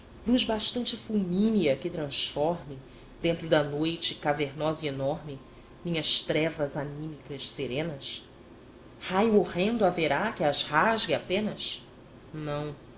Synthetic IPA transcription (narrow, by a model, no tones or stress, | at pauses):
d̪uʒbaʃt̪ɐ̃nt͡ʃɪfuwmĩniɐkɪt̪ɾɐ̃sfɔɾmɪ | d̪̥ẽnt̪ɾʊd̪ɐnojt͡ʃɪkaveɾnɔzienɔɾmɪ | mĩɲɐʃt̪ɾɛvɐzanĩmikɐʃseɾẽnɐs | hajuoʁẽnd̪ʊaveɾakɪazhaʒɡɪapẽnɐs | nɐ̃w̃